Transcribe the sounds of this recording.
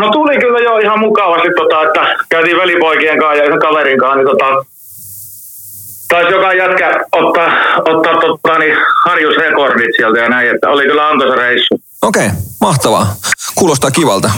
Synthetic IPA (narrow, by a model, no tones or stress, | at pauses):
not̪ulikylːæjoihɑmmukɑʋɑst̪it̪t̪ot̪ɑet̪ːækæyt̪iːʋʋælipoikieŋkɑːjjɑiheŋkɑʋeriŋkɑːnit̪ot̪ɑ | t̪oɑˑsjokɑjæt̪kæot̪ːɑːot̪ːɑːt̪tot̪ːɑːnihɑrjusrekordit̪sielt̪æjɑnæiet̪ːæ̰olikylːæɑnt̪osɑreisːu | okeˑimɑht̪ɑʋɑ̰kuːlost̪ɑːkiʋɑlt̪ɑ